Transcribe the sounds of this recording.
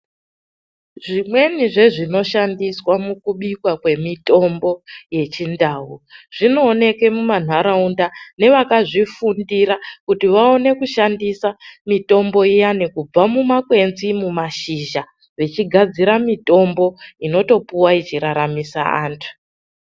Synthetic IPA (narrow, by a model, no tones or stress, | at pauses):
ʐimwe̞niʐe̞ʐino̞ʃandiswamukuɓikwakwe̞mito̞mbo̞je̞t͡ʃindaːuʐ̥ino̞ːne̞ke̞muman̤aɾaundane̞ʋakaʐifundiɾakutiʋao̞ne̞kuʃandisamito̞mbo̞ijanekub͡vamumakwe̞nzimumaʃiʒa | ʋet͡ʃiɡʱad͡ziɾamito̞mbo̞ino̞to̞puwait͡ʃiɾaɾamisa̰a̰ːntʰu̥